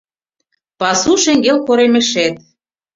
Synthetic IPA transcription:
pɑsuʃeŋɡelkoɾemeʃet̪̚

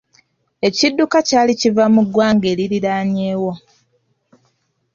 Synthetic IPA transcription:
e̞cidːukacaːlicivamuɡwaːŋɡe̞ːliɾiɾaːɲe̞ːwo̞

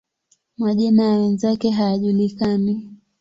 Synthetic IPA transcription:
maʄinajawɛnzakɛɦajaʄulikani

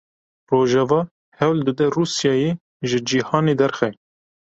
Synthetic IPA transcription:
roːʒɛvɑː | hɛwld̪əd̪ɛruːsjɑːjeː | ʒɨd͡ʒiːhɑːneːd̪ɛɾxɛ

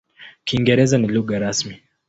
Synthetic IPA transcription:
kiːŋɡɛɾɛzaniluɠaɾasmi

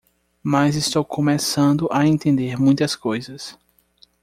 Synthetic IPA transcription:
mɐzist̪owkʰõmɛsɐ̃nd̪ʊʔaẽnt̪ẽnd̪eɾmũj̃t̪ɐskojzɐs

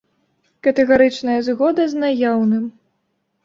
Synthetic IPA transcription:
kɐt̪ɛɣaɾɨt͡ʂnɐjɐzɣɔd̪ɐznajawnɨm

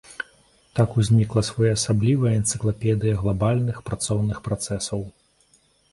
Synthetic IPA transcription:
t̪akuzʲnʲiklˠɐsvɔjaɐsablʲivɐɐɛnt̪sɨklˠapʲɛd̪ɨjɐɣlˠabalʲnɨxpɾat̪sɔwnɨxpɾat̪sɛsɐw

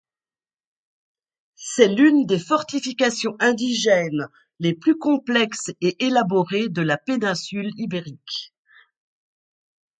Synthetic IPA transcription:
sɛlynd̪efɔʁt̪ifikasjɔ̃ʔɛ̃d̪iʒɛn | leplykɔ̃plɛkseʔelabɔʁed̪əlapenɛ̃sylibeʁik

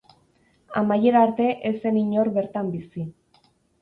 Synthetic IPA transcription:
a̰maje̞ɾaɾt̪e̞ʔese̞niɲo̞ɾβe̞ɾt̪ambisi

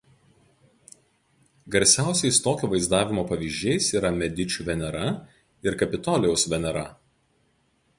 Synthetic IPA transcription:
ɡɐɾʲsʲæˑʊsʲɛɪst̪oːkʲoːʋɐɪzd̪ɑːʋʲɪmoːpɐʋʲiːʒʲd͡ʒʲɛɪsiːɾɐmʲɛd̪ʲɪt͡ʃʲuːʋʲɛnʲɛɾɐ | ɪɾkɐpʲɪt̪ɔːlʲɛʊsʋʲɛnʲɛɾɐ̰

